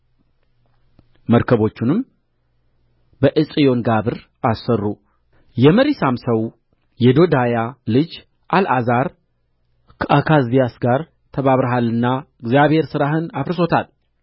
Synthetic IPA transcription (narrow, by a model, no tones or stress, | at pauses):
məɾkʰəβo̞t͡ʃːɪnɨm | bəʔɨsʼijo̞nɡaβɨɾ | asːərːu | jɛməɾisamsəw | jɛd̪o̞d̪ajalɨd͡ʒ | ʔalazaɾ | kʰəʔakʰazijasɡaɾ | t̪ʰəβaβɾəɦalːɨnːaɨɡzijaβhe̞ɾsɨɾaɦɨnafɾso̞t̪ʰal